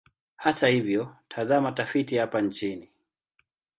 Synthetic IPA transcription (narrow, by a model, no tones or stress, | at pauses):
hatahivjɔtʰazamatafitihapant͡ʃini